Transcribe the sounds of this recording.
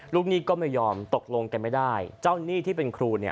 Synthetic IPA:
luː˥˩k̚niː˦˥kɔː˥˩ma˥˩jːɔː˧mt̪o˨˩k̚lo˧ŋka˧nma˥˩jdaː˥˩jt͡ɕa˥˩wniː˥˩t̪ʰiː˥˩pe˧nkʰɾuː˧ni˥˩

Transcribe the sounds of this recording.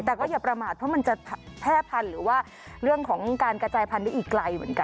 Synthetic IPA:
t̪ɛː˨˩kɔː˥˩jaː˧˩pɾa˧maː˨˩t̪̚pʰɔː˦˥˩ma˧nt͡ɕa˨˩tʰpʰɛː˥˩pʰa˧nɾɯː˩˦waː˥˩ | ɾɯ˥˩əŋkʰɔː˩˦ŋkaː˧nkɾa˧t͡ɕaː˧jpʰa˧nda˥˩ʔiː˨˩kːla˧jmɯ̰˨˩˦ənka˧

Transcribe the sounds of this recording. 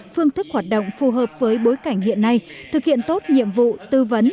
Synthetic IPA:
fɨ˧əŋt̪ʰɨ˦˥k̚hwaː˨˩t̚ɗo̰˧˨wŋ͡mfu˨˩ɦəː˨˩p̚vəː˨˦jɓo˨˦jka˧˩jŋ̟hḭ˧˨ənːa˧jt̪ʰɨ˨˩k̚hḭ˧˨ənt̪o˦˥t̚ɲḭ˧˨əmvṵ˧˨t̪ɨ˧və˨˦n

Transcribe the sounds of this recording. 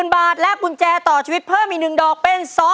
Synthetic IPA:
nbaː˨˩t̪̚lɛ˦˥u˧nt͡ɕɛː˧t̪ɔː˨˩t͡ɕʰiː˧wi˦˥t̪̚pʰɤː˥˩mʔi˨˧˩nɯ˨˩ŋdɔː˨˩k̚pe˧nsɔː˦˥

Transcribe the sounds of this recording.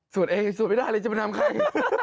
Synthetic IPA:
su˨˩ənʔeː˧ŋ˧˩su˨˦nma˥˩daː˥˩lɤː˧t͡ɕa˨˩m˧˩nʰa˧m˧kʰa˧˩

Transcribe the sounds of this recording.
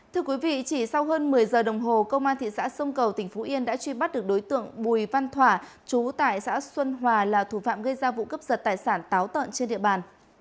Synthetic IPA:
t̪ʰɨ˧əkwi˨˦vḭ˧˨t͡ɕi˧˩sa˧wɦəː˧nmɨ˨˩əjzəː˨˩ɗə˨˩wŋ͡mɦo˨˩kə˧wŋ͡mʔaː˧nt̪ʰḭ˧˨sa̰ː˧˥sə˧wŋ͡mkə˨˩wt̪ï˧˩ŋ̟fo˨˦ʔi˧ənɗa̰ː˧˥t͡ɕwi˧ɓa˦˥t̚ɗɨ˨˩ək̚ɗo˨˦jt̪ɨ̰˧˨əŋɓu˨˩jva˧nt̪ʰwaː˧˩ | t͡ɕu˨˦t̪a̰ː˧˨jsa̰ː˧˥swə˧nɦwaː˨˩laː˨˩t̪ʰu˧˩fa̰ː˧˨mɣə˧jzaː˧vṵ˧˨kə˦˥p̚zə˨˩t̚t̪aː˨˩jsaː˧˩nt̪aː˨˦wt̪ə̰˧˨nt͡ɕe˧nɗḭ˧˨əɓaː˨˩n

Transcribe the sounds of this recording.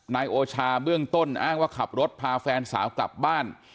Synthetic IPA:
naː˧jʔoː˧t͡ɕʰaː˧bɯ˥˩əŋt̪o˥˩nʔaː˥˩ŋwaː˥˩kʰa˨˩p̚ɾo˦˥t̪̚pʰaː˧fɛː˧nsa̰ː˩˦wkla̰˨˩p̚baː˥˩n

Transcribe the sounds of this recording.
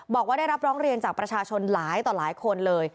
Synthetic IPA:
bɔː˨˩k̚waː˥˩a˥˩ɾa˦˥p̚ɾɔː˦˥ŋɾi˧ənt͡ɕaː˨˩k̚pɾa˧t͡ɕʰaː˧t͡ɕʰo˧nlaː˩˦jt̪ɔː˨˩laː˩˦jkʰo˧nlɤː˧j

